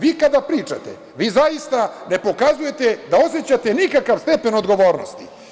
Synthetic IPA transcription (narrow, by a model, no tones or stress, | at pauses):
ʋikad̪apɾiːt͡ʂa̰t̪ḛ | ʋiːzajist̪ane̞po̞kazuje̞t̪ed̪ao̞set͡ɕat̪enikakaʋst̪e̞pe̞nod̪ɡo̞ʋo̞ːɾnost̪ḭ